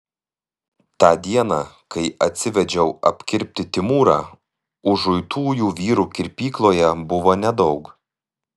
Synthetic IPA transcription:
t̪ɑːd̪ʲiɛnɑː | kɐɪɐt̪ʲsʲɪʋʲɛd͡ʒʲɛʊɐ̰pʲkʲɪɾʲp̚ʲt̪ʲɪt̪ʲɪmuːɾɑ̰ː | ʊʒʊɪt̪uːjuːʋʲiːɾuːkʲɪɾʲpʲiːklˠoːjɛbʊʋoːnʲɛd̪ɒʊk

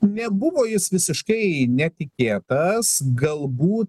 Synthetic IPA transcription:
nʲɛbʊʋoːjɪsʋʲɪsʲɪʃkɐɪnʲɛt̪ʲɪkʲeːt̪ɐsɡɐlˠbuːt̪

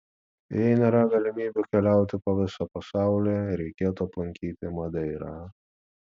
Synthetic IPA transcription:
jɛɪnʲeːɾɐɡɐlʲɪmʲiːbʲukʲɛlʲæˑʊt̪ʲɪpoʋʲɪsɐpɐsɑˑʊlʲeːɾʲɛɪkʲeːt̪uɐplˠɐŋʲkʲiːt̪ʲɪmɐd̪ʲɛɪɾɑː

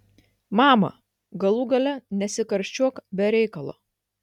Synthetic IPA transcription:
mɑːmɐ̰ | ɡɐlˠuːɡɐlʲɛnʲɛsʲɪkɐɾʲsʲt͡ʃʲuɔkbʲɛɾʲɛɪkɐlˠo̰ː

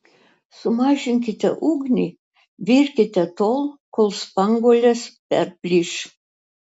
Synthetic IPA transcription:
sʊmɑːʒʲɪŋʲkʲɪt̪ʲɛ̰ʔuɡnʲi | ʋʲirʲkʲɪt̪ʲɛt̪olˠkolˠspɑŋɡolʲɛspʲɛ̰rpʲlʲiʃ

